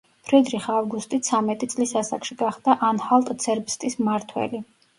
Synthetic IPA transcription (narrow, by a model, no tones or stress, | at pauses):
pʰɾɛd̪ɾiχavɡust̪ʼit̪sʰamɛt̪ʼit̪sʼlisasa̰kʃiɡaχd̪aʔanhalˠt̪ʼt̪sʰɛɾbst̪ʼismaɾt̪ʰwɛ̰li